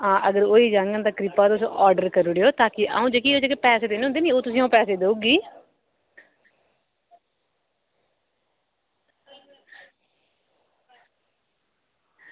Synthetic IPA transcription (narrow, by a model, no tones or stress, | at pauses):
ɦãːʔəɡəɾoːiːd͡ʒãːŋɡə̃nd̪aːkɾɪpaːt̪ʊsʔɔːɾɖəɾkəɾʊɽejoːt̪aːkɪʔa̰ũːd͡ʒekiːoːd͡ʒeːkepɛːseːd̪eːnɦʊnd̪eːniːoːt̪ʊsĩːãːpɛːseːd̪euːɡiː